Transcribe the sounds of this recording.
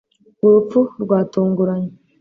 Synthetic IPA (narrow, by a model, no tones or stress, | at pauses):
ɡuɾup͡fuɾɡwaːtuːŋɡuɾaɲe